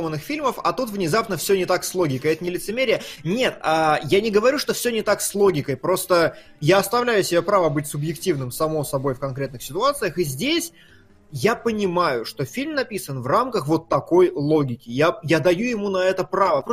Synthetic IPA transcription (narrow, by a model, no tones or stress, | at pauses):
mənːɨxfʲilʲməfɐ̰t̪ut̪vnʲɪzapnəfsʲɵnʲɪt̪akslˠo̞ɡʲɪkəjɛt̪ənʲɪlʲɪt̪sɨmʲeɾʲɪjənʲe̞t̪ajanʲɪɡəvɐɾʲuʂt̪o̞fsʲɵnʲɪt̪akslˠo̞ɡʲɪkəjpɾo̞st̪ə | jaɐst̪ɐvlʲæjʊsʲɪbʲepɾavəbɨtʲsʊbjɪktʲivnɨmsɐmo̞sɐbo̞jfkɐnkɾʲe̞t̪nɨxsʲɪt̪ʊat̪sɨjəxɨzʲdʲesʲ | japənʲɪmajʊʂt̪o̞fʲilʲmnɐpʲisənvramkəxvo̞t̪ːɐko̞jlˠo̞ɡʲɪkʲɪjajad̪ɐjujɪmunɐɛt̪əpɾavə